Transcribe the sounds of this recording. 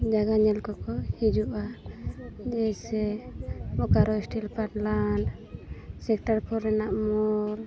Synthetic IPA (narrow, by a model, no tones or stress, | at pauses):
d͡ʒaɡaɲɛlkɔkɔhid͡ʒuʔa | d͡ʒɛsɛ | bɔkaɾɔisʈilpʰaʈlanɖ | sɛkʈaɾkʰɔɾɛnaʔmɔɾ